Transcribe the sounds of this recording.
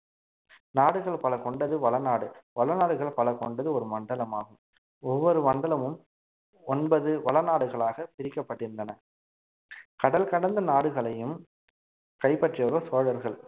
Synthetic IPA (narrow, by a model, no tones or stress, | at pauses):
naːɽɯɣɐɭpɐlɐkɔɳɖɐðɯʋɐlɐnaːɽɯʋɐlɐnaːɽɯɣɐɭpɐlɐkɔɳɖɐðɯɔɾɯmɐɳɖɐlɐmaːɣɯm | ɔʋːɔɾɯmɐɳɖɐlɐmɯm | ɔnbɐðɯʋɐlɐnaːɽɯɣɐɭaːɣɐpɪɾɪkːɐpːɐʈːɪɾɯndɐnɐ | kɐɽɐlkɐɽɐnd̪ɐnaːɽɯɣɐɭɐjɯm | kɐɪpɐʈrɪjɐʋɐsoːɽɐɾɣɐɭ